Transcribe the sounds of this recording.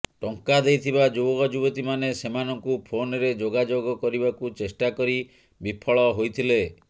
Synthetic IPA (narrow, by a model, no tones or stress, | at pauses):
ʈɔŋkad̪ejt̪ʰibad͡ʒoɡɔd͡ʒubɔt̪imanesemanɔŋkupʰonɔɾed͡ʒoɡad͡ʒoɡɔkɔɾibakut͡ʃesʈakɔɾi | bipʰɔɭɔɦojt̪ʰile